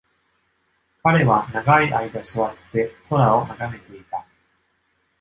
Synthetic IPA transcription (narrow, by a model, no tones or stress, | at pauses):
kaɾe̞βanaɡaiʔaid̪asɨβat̪ːe̞so̞ɾao̞naɡame̞t̪e̞it̪a